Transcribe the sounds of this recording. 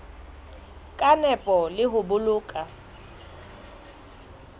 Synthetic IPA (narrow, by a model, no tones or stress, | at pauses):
kʼanɛpʼɔlɪɦʊbʊlʊːkʼa